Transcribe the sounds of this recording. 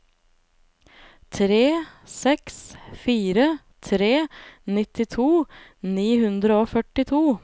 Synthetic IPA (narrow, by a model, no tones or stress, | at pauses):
t̪ʰɾeːsɛksfiːɾə | t̪ʰɾeːnɪt̪ɪt̪ʰuːniːhʉnd̪ɾəoːfœʈɪt̪ʰuː